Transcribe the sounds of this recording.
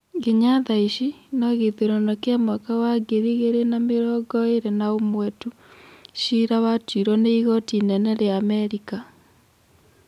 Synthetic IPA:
ɡeɲaðaiɕinɔɣeteɾɔnɔkeamakawaɡeɾiɣeɾenameɾɔɡɔeɾɛnaomwɛtu | ʃiɾawatiɾɔneiɣɔtinɛnɛɾeaːmɛɾika

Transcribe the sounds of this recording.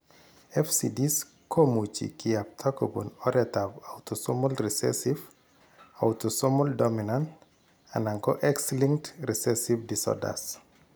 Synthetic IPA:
ɛfsḭdis | kʰomut͡ʃḭkiap̚tʰakɔbṵnɔɾɛtavawtɔsɔmɔlɾisɛ̰siv | awtɔsɔmɔldɔminant | a̰naŋɡɔʔɛksliŋktɾisɛsivdisɔ̰da̰s

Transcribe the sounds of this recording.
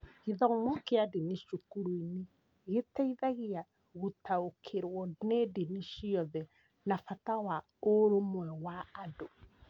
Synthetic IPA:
ɣiðɔmwɔkeadeniʃukuɾuine | ɣetaiðaɣia | ɣutaokʰeɾwɔnedeniʃiɔðɛ | nafatawa | oɾomwɛwaːdo

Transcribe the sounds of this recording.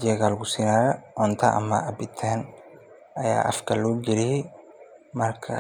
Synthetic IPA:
d͡ʒɛɣalɡʊsinɐɾɐʔɔnt̪ʰɐʔɐ̰mɐʔɐbɪt̪ʰːɛːn | ɐja̰ːʔɐ̰fkʰɐluːɡɪɾɪ | mɐrkʰɐ̰

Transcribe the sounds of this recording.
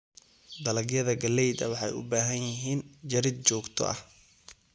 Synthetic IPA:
d̪ɐlɐɡjɐðɐɡɐlɛjd̪ɐ̰wɑħɑjʊ̰baːɦɐnjɪɦiːnd͡ʒɐɾɪd̪̚t͡ʃɔːɡt̪ʰɔ̰ʔɐ̰h

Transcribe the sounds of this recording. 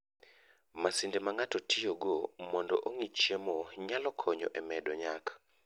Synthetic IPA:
masindemaŋatɔtʰɪjoɡomɔndɔ̰ʔoŋit͡ʃemɔɲalɔkʰɔɲɔ̰ʔɛmɛdɔɲakḁ

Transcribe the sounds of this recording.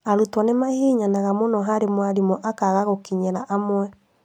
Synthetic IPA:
aɾutwanemahiːɲanaɣamonɔɦaɾemwaɾimɔʔakaɣaɣokiɲɛɾaʔamwɛ

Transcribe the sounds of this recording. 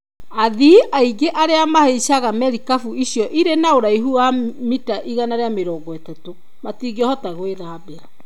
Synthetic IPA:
aðiʔaiɡeʔaɾeamaheɕaɣamɛɾikafuiɕijɔʔiɾenaoɾaiɦuwamitaʔiɣanaɾeameɾɔːɡɔetato | matiːɡɔhɔtaɣweðaːbea

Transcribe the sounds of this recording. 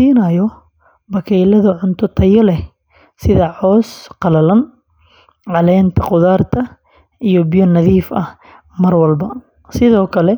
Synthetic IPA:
siːnɐjɔ | bɐkʰɛːlɐðɐʕʊnt̪ʰɔt̪ʰɐjɔlɛ | sɪðɐʕɔːsqɑlɐlɐn | ʕɑlɛːnt̪ʰɐqʊðaːrt̪ʰɐ | ʔijɔbɪjɔnɐðiːfɐh | mɐrwɐlbɐ | sɪðɔːkʰɐlɛ

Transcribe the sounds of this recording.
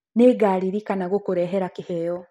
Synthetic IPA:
neːɡaɾiɾikanaɣokuɾɛɦɛɾakihɛjɔ

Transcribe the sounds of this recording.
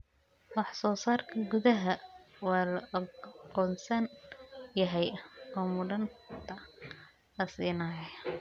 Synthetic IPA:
wɑħsɔːsaːrkʰɐɡʊðɐɦɐwɑːlɐʔɐqɔːnsɐnjɐɦɛjɔːmʊɖɐnt̪ʰɐ | lɐsiːnɐːjɛ

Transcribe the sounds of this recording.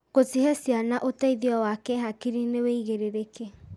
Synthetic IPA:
ɣotiɦɛsianaʔotaiðiɔwakɛɦakiɾineweiɣeɾeɾekɛ

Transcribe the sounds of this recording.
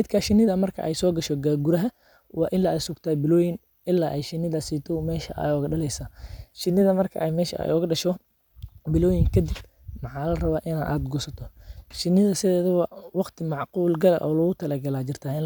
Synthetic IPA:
ɪd̪kʰɐʃɪnːɪðɐmɐrkʰɐ̰ʔɛjsɔːɡɐʃɔɡaɡʊɾɐɦɐ | wɑːʔɪnlɐɛsʊɡt̪ʰaːbɪlɔːjɪn | ʔɪlːaːʔɛjʃɪnːɪðɐsiːt̪ʰɔmɛːʃɐʔa̰jɔɣɐɖɐlɛjsaːʃɪnːɪðɐmɐrkʰɐ̰ʔɛjmɛːʃɐ̰jɔːɣɐɖɐʃɔ | bɪlɔːjɪŋkʰɐd̪ɪb̚ | mɐħɑːlɐrɐβaːʔɪna̰ʔaːd̪ɡɔːsɐt̪ʰɔʃɪnːɪðɐsɪðɛːðɔwɑwɑqt̪ʰɪmɑʕquːlɡɐlɐ̰ʔɔːlɔɣʊt̪ʰɐlɐɡɐlaːd͡ʒɪrt̪ʰaːɪn

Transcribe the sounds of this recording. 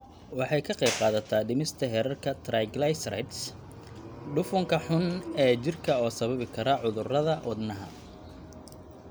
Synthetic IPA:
wɑħɑjkʰɐqɛjb̚qɑːðɐt̪ʰaːɖɪmɪst̪ʰɐɦɛɾɐrkʰɐt̪ʰrajɡlajsrɐ̰jt̪s | ɖʊfʊŋkʰɐħʊnɛːt͡ʃɪrkʰɐɔːsɐβɐβɪkʰɐɾɐʕʊðʊrɐðɐwɑd̪nɐɦɐ̰

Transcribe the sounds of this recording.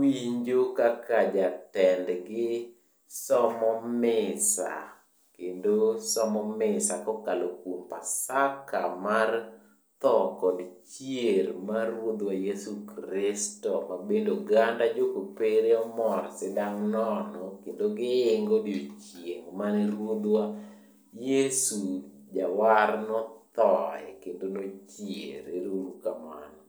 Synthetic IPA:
wiɲd͡ʒokakad͡ʒatɛndɡɪ | sɔmɔmɪsa̰ | kendosɔmɔmɪsakɔkalokompa̰saka̰mar | t̪ɔkɔdt͡ʃjermarwod̪wajesukɾɪstɔmabendoɡandad͡ʒokopeɾeɔmɔrsɪdaŋnɔnɔkendoɡɪːŋɡodɪot͡ʃieŋmaneɾwod̪wa | jesu | d͡ʒawarnɔt̪ɔɛ̰kendonot͡ʃjḛɾeɾoɾukama̰nɔ

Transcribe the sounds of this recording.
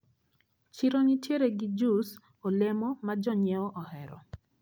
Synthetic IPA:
t͡ʃiɾonitjeɾeɡɪd͡ʒus | ɔlemɔmad͡ʒɔɲɛɔʔɔhɛɾɔ̰

